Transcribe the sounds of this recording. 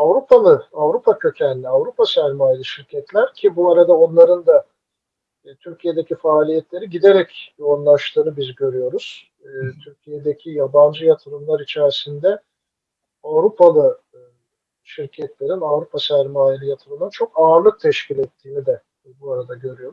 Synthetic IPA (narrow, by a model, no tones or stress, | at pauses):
avɾupʰalˠɯavɾupʰacʰø̞cʰænlːʲiavɾupasæɾmaːjilʲˠɯʃiɾcʰɛt̪lʲæɾcʰibuaɾad̪ao̞nlˠaɾɯnd̪a | t̪ʰyɾcʰije̞d̪e̞cʰifaːlʲijɛt̪lʲe̞ɾiɟid̪e̞ɾɛcjo̞unlˠaʃt̪ʰɯːnɯbizɟø̞ɾyjo̞ɾuz̥ | t̪ʰyɾcʰijed̪ecʰijaband͡ʒɯjat̪ʰɯɾɯmlˠaɾit͡ʃʰæɾisind̪ɛ | avɾupʰalˠɯ | ʃiɾcʰɛt̪lʲe̞ɾinavɾupʰasæɾmaːjilʲijat̪ʰɯɾɯmnɯnt͡ʃʰo̞kaːɯɾlˠɯk̚t̪ʰɛʃcʰilʲɛt̪ʰːiːmid̪ɛ | buaɾad̪aɟø̞ɾyjo̞ɾu